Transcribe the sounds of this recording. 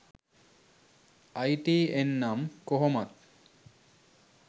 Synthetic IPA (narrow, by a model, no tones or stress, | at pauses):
ajʈienːamkoɦɔmat̪̚